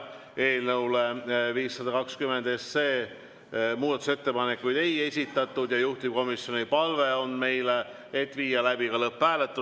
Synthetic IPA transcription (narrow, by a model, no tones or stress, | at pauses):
e̞ːlnɤwleviːsːɑd̪ɑkɑkskymend̪e̞sːe̞ː | muːd̪ɑt̪uset̪ːe̞pɑnekːujd̪̥e̞je̞sʲit̪ːˑɑt̪ˑːud̪jɑjuht̪ib̥̚ko̞misjo̞nipɑlve̞o̞nme̞jle | et̪ːˑviːjɑlæb̥iɡɑlɤpːæːlet̪ːˑu